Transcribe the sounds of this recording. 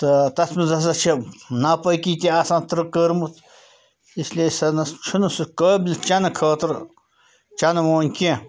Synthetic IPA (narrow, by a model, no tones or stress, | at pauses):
t̪ɐt̪ɐsmɐzɐs̬ɐt͡ʃʰɐnɐpɐjkiːt̪ʲiɐsãːnt̪ɾɨkəɾmɨt̪ | islʲesɐnɐst͡ʃʰunɨsɨkəːbʲlʲt͡ʃɐnɐkʰəːt̪ɨɾ | t͡ʃɐnɐmoːnʲkʲẽ